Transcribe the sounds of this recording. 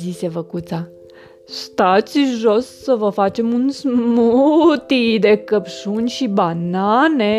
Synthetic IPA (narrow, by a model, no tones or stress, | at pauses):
zisevəkut̪sa | st̪at̪sʲʒossəvəfat͡ʃe̞munsmut̪id̪ekəpʃunʲʃibanane